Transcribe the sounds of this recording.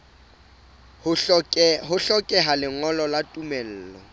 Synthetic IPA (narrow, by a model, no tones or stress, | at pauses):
ɦʊɬɔkʼɛɦalɪŋɔlɔlatʼumɛl̩ːlɔ